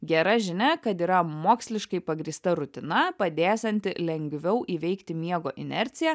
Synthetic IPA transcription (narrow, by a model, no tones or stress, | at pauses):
ɡʲɛɾɐʒʲɪnʲɛkɐt̪iːɾɐmoːksʲlʲɪʃkɐɪpɐɡɾʲiːst̪ɐɾʊt̪ʲɪnɐpɐd̪ʲæːsʲɛnʲt̪ʲɪlʲɛŋʲɡʋʲɛʊʔiːʋʲɛɪkt̪ʲɪmʲiɛɡoːʔɪ̰nʲɛɾʲt̪sʲɪjæː